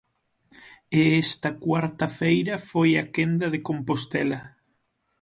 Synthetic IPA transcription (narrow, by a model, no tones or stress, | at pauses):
eɛst̪ɐkwaɾt̪ɐfejɾɐfojɐkend̪ɐðekompost̪elɐ